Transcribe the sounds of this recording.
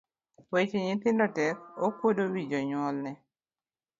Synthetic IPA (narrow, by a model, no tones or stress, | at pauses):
wet͡ʃeɲɪt̪ɪndɔtɛkokwodowid͡ʒɔɲwɔlnɛ